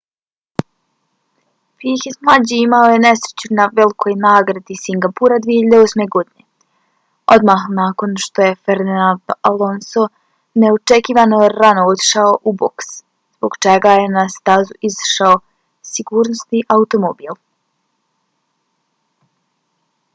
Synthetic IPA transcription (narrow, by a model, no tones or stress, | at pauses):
pixit̪mlˠad͡ʑiimaoje̞ne̞sɾet͡ɕunaʋelikʰo̞jnaːɡɾad̪isiŋɡapuɾad̪ʋijeçiʎad̪eosme̞ɡo̞d̪ine̞ | o̞d̪maxnaːko̞nʃt̪o̞je̞feɾd̪inand̪alo̞nso | ne̞ot͡ʃekiːʋanojeɾanoot̪i̥ʃaoʔuboks | z̥boɡt͡ʃeɡaje̞nast̪azuʔizḁʃao̞ | siɡuːɾnost̪iʔaut̪o̞mobiːlˠ